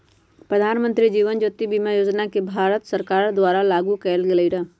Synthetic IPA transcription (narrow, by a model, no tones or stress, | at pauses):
pɾəd̪ʱaːnmə̃nt̪ɾid͡ʒiːʋənd͡ʒoːt̪ːibimajoːd͡ʒnakebʱaːɾət̪səɾkaːɾd̪ʋaːɾalaːɡukɛlɡɪləiɾaː